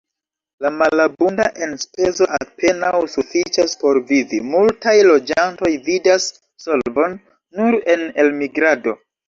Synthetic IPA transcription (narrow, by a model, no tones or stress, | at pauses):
lamalabunda̰ʔe̞nspe̞zo̞ʔape̞nawsufit͡ʃaspo̞ɾvivimultajlo̞d͡ʒanto̞jvidasː | o̞lbo̞nː | uɾe̞ne̞lmiɡɾado̞